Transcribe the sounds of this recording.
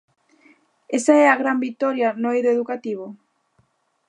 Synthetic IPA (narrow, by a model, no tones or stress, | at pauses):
esaɛaɣɾambit̪ɔɾjɐnoeðoeðukat̪iβ̞ʊ